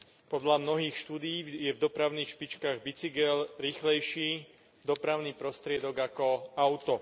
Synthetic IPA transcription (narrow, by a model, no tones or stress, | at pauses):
pɔd̪lamnɔɦiːxʃt̪uːd̪iiːjɛvd̪ɔpɾaʊniːxʃpit͡ʃkaːɣbit͡siɡɛlɾiːxlɛjʃiː | d̪ɔpɾaʊniːpɾɔst̪ɾɪɛd̪ɔɡakɔaʊt̪ɔ